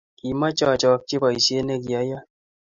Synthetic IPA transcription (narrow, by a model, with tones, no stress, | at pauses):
ki˨ma˦t͡ʃɔ˦˨t͡ʃɔ˨k̚t͡ʃi˦ba˨i˨sje˦nɛ˦˨ɡi˨a˨ja˦